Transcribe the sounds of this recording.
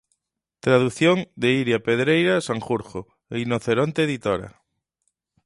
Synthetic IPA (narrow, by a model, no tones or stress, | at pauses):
t̪ɾaðuθjoŋd̪eiɾjapeðɾejɾasaŋxuɾχo | einoθeɾont̪eːðit̪oɾa̰